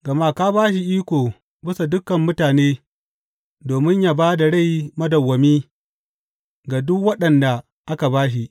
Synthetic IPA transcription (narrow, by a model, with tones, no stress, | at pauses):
ɡɐ˨ma˦kaː˦baː˦ʃ̬i˨ʔiː˦kʷoː˨ | bɪ˦sa˨dʊ˦kːɐ˨mːʊ˦taː˨neː˦ | doː˨mɪ˦ɲjaː˦baː˦da˨ɽa˦˨jmɐ˦dɐ˨wːɐ˨miː˦ | ɡa˨dʊ˦kwɐ˦ɗɐ˨nda˨ | ʔa˦ka˨baː˦ʃ̬i˨ʔ